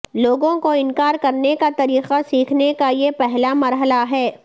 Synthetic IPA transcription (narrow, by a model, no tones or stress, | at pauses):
loːɡõkoɪnkaːɾkɐɾnekat̪ɐɾiːqasiːkʰnekajepɛɦlamɐɾɦəlaɦɛː